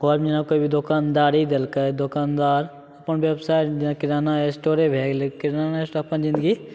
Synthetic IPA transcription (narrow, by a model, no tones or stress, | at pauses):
ɡɔːɾmd͡ʒnakobʱid̪okaːnd̪aːɾid̪elkəd̪okaːnd̪aːɾ | ɐpənʋebsaːɪʈd͡ʒnakɪɾaːnaesʈoːɾebʱeːɡlekɪɾaːnaesʈoɐpənzɪ̃nd̪əɡi